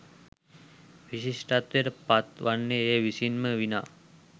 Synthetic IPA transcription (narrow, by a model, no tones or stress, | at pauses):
ʋiɕiʂʈat̪eɾpat̪ʋanːeeʋisinməʋina